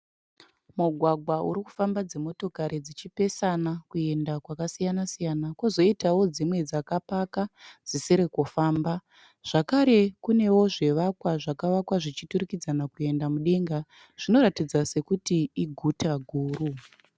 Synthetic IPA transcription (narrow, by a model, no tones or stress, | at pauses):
muɡʱwaɡʱwaṵɾiku̥fambad͡ze̞mo̞to̞kaɾed͡zit͡ʃipe̞sanakue̞ndakwakasijanasijanakozo̞itawo̞d͡zimwe̞d͡zakapakad͡zisiɾekufaːmba | ʐ̥akaɾe̞kune̞wo̞ʐe̞ʋakwaʐakaʋakwaʐit͡ʃituɾikid͡zanakue̞ndamuɗe̞ŋɡa | ʐ̥ino̞ɾatid͡zase̞kutiiɡʱutʰaɡʱuːɾu